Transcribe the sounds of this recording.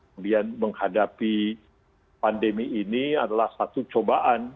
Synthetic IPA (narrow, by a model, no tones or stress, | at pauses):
əudianməŋhadapi | pandemiːniadalahsat̪ut͡ʃobaʔan